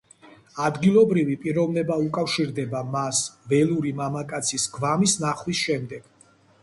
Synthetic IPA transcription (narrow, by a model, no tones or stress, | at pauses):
ad̪ɡilˠɔbɾivipʼiɾɔvnɛbaukʼafʃiɾd̪ɛbamasvɛlˠuɾimamakʼat̪sʰisɡvamisnaχwisʃɛmd̪ɛɡ̥